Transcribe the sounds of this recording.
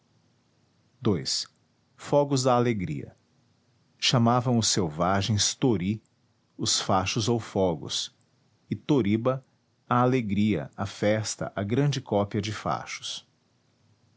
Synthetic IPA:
d̪ojs | fɔɡʊzd̪ɐːleɡɾḭɐ̰ | ʃɐmavɐ̃w̃ʊsːewvaʒẽj̃st̪oɾi | ʊsfaʃʊzowfɔɡʊ̰s | ɪt̪oɾibɐ | ɐaleɡɾiɐ̰ɐfɛst̪ɐ̰ʔɐɡɾɐ̃d͡ʒɪkɔpiɐd͡ʒɪfa̰ʃʊ̥s

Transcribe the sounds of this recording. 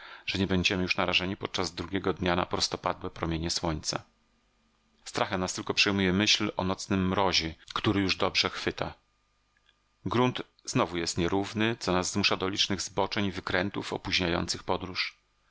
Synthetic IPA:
ʐ̥ɛɲɛbɛɲd͡ʑɛmɘjuʂnaɾaʐɛɲipɔt̪̚t͡ʂazd̪ɾuɡʲɛɡɔd̪ɲana̰pɾɔst̪ɔpad̪wɛpɾɔmʲjeɲɛswɔɲt̪sa̰ | st̪ɾaxɛmnast̪ɘlkɔpʂɛjmujɛmɘɕlɔnɔt̪snɘmːɾɔʑɛkt̪uɾɘjuʐd̪ɔbʐɛxfɘt̪a | ɡɾunt̪ | z̥nɔvujɛst̪ɲɛɾuvnɘt̪sɔnazːmuʂad̪ɔlʲit͡ʂnɘɣzbɔt͡ʂɛɲvɘkɾɛnt̪ufɔpuʑɲajɔ̰nt̪sɘxpɔd̪ɾuʂ

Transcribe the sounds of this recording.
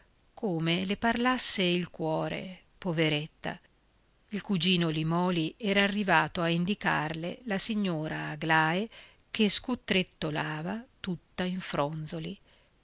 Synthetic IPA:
koːmeleparlasːeilkwɔːɾḛ | poveɾet̪ːa̰ | ilkud͡ʒiːnolimɔːliɛːɾaːrːivaːt̪oaind̪ika̰rlḛlasiɲːoːɾaːɡlaːe | k̟eskut̪ːɾet̪ːolaːvat̪ut̪ːaiɱfɾɔnd̪zoli

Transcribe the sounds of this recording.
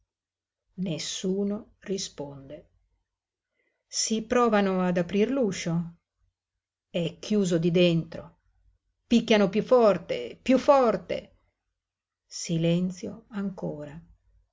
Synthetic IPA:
nesːuːnorispond̪e | sipɾɔːvanoad̪apɾirluʃo | ɛkːjuːzod̪id̪ent̪ɾo̰ | pikːanopjufɔrt̪ḛpjufɔrt̪ḛ | silɛnt̪sjo̰aŋkoːɾa

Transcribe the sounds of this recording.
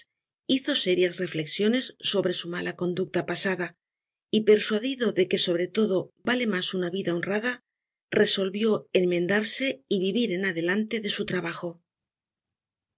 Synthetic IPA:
iθo̞se̞ɾjasre̞fle̞ksjo̞ne̞sːo̞βɾe̞sumalako̞nd̪uk̚t̪apasaða | ipe̞ɾswaðiðo̞ðe̞ke̞so̞βɾe̞t̪o̞ðo̞bale̞masunaβiðao̞nraða | re̞so̞lβjo̞e̞nmẽ̞nd̪aɾse̞iβiβiɾe̞naðe̞lant̪e̞ðe̞sut̪ɾaβaxo̞

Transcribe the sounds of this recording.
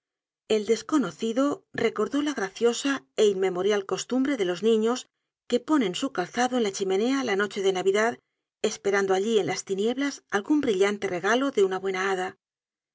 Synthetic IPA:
e̞ld̪e̞sko̞no̞θiðo̞re̞ko̞ɾðo̞laɣ̞ɾaθjo̞saeinme̞mo̞ɾjalko̞st̪umbɾe̞ðe̞lo̞znĩɲo̞s | ke̞po̞nẽ̞nsukalθaðo̞e̞nlat͡ʃime̞ne̞alano̞t͡ʃe̞ðe̞naβiðað | e̞spe̞ɾand̪oaʎie̞nlʔast̪inje̞βlasalɣumbɾiʎant̪e̞re̞ɣalo̞ðe̞unaβwe̞naaða

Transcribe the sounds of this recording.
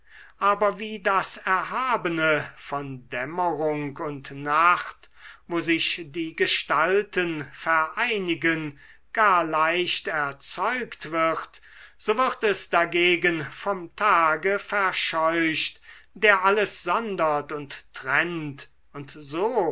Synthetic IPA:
ʔaːbɐviːdasɛɐɦaːbənəfɔndɛməʁʊŋkʊntnaχtvoːzɪʃd̥iːɡəʃtaltənfɛɐʔaɪnɪɡən | ɡ̥aːɐlaɪʃtɛɐt͡sɔʏktv̥ɪʁt | z̥oːvɪʁtɛsd̥aɡeːɡənfɔmtʰaːɡəfɛɐʃɔʏʃtd̥eːɐʔaləsz̥ɔndɐtʊntːʁ̥ɛnt | ʊntzoː

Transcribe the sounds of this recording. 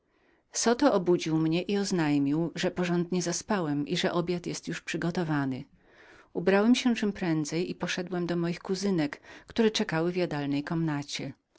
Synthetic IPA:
sɔt̪ɔʔɔbud͡ʑiwmɲɛʔiɔznajmʲiwʐɛpɔʐɔnd̪ɲɛzaspawɛmʔiʐɛʔɔbʲjat̪jɛst̪juʂpʂɘɡɔt̪ɔvanɘ | ubɾawɛmɕɛt͡ʂɘmpɾɛnd̪zɛjipɔʂɛd̪wɛmd̪ɔmɔjixkuzɘnɛkkt̪uɾɛt͡ʂɛkawɘvjad̪alnɛjkɔmnat͡ɕɛ

